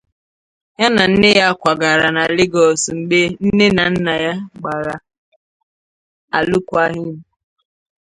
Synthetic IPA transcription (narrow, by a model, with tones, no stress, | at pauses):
ja˦na˨n̩˦nɪ˦ja˦kʷa˨ɡa˨ɾa˨na˨lɪ˦ɡɔ˨sŋ͡m̩˨ɡ͡be˦n̩˦ne˦na˨n̩˦na˨ja˦ɡ͡ba˨ɾa˨ | a˨lʊ˦kʷa˦ɦɪ˦mu˨